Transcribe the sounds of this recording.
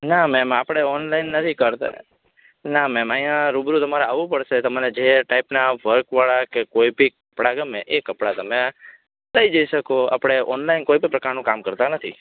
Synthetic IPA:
namɛmapɽ̃eɔnlainːət̪ʰikəɾt̪a̰ | namɛmaĩjãɾubɾũt̪əmaɾeaʋũpəɽʃet̪əmaned͡ʒeʈaipnaʋəɾkʋaɭakekoibikəpɽaɡəmeʔekəpɽat̪əme | ləid͡ʒəiʃəkoa̰pɽ̃eʔɔnlainkoibipɾəkaɾnũkamkəɾt̪anət̪ʰi

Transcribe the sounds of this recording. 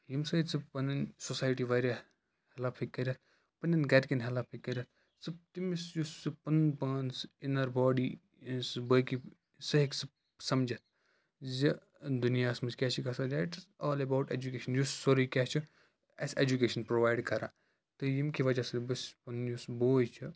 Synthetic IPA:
jimsɐit͡sɨpɐnɐnsosaːjʈiʋɐɾʲa | hɛlaːpʰikːɐɾʲat̪̚ʰ | pɐnʲɐnɡɐɾʲkʲinɦɛlaːpʰikːɐɾʲɐt̪ʰ | sɨb̚t̪imisjusɨpɐnpɐːnsinɐɾbɔːɖi | sɨbɐki | sɐɦiksɨ | sɐmd͡ʒɐt̪̚ʰ | zi | d̪unijaːsmɐskʲɛːt͡ʃʰikɐsɐd͡ʒaːʈsaːlebaːwʈḛːd͡ʒukeːʃɐnjusːoɾikʲɛːt͡ʃʰi | ɐ̰sed͡ʒukeːʃɐnpɾoːʋaːjɖkɐɾa̰ː | t̪ɨjimkiʋɐd͡ʒasɐlbɐspɐnjusboːjt͡ʃʰɨ

